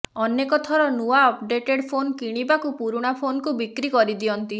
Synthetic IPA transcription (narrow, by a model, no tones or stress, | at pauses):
ɔnekɔt̪ʰɔɾɔnuaɔpɖeʈeɽpʰonkiɽ̃ibakupuɾuɽ̃apʰonɔkubikɾikɔɾid̪iɔnt̪i